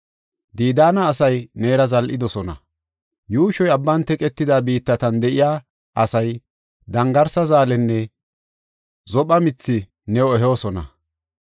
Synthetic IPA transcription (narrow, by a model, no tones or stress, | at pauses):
d̪iːd̪aːnɐːsɐjne̞ːɾɐzɐlʔɪd̪ɔsɔnɐ̰ | juːʃɔjɐbːɐnt̪ɛkʼɛt̪ːɪd̪aːbiːt̪ːɐt̪ɐnd̪ɛʔɪjaː | ʔɐsɐj | d̪ɐŋɡɐɾsɐzaːlɛnːɛ | zɔpːɐmɪt͡sːɪ | nɛwɔɛɦoːsɔnɐ̰